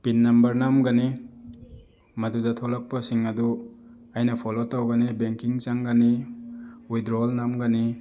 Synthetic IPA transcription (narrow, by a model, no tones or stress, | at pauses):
pinːɐmbɐɾnamɡani | mɐdudɐtʰolak̚pɐsiŋɐdu | ajnɐpʰɔlotawɡanibeŋkiŋt͡ʃaŋɡani | ujdɾɔlnamɡani